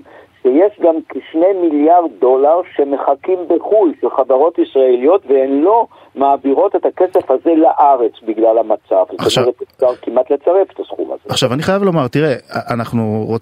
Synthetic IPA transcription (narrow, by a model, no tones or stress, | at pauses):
ʃejeʃɡamkʃne̞jmiljaʁ̚do̞laʁʃeme̞χakimbeχujʃelχadaʁo̞t̪isʁaelijo̞t̪veenlo̞ | maːbiʁo̞t̪e̞t̪hakesefhaze̞laʔaʁet͡sbiɡlalhamat͡savzotomeʁet̪izaʁkimʔat̪le̞t͡saʁe̞fe̥t̪asχṵma̰zeaχʃavaniχajavlomaʁt̪iʁeaʔanaχnuʁo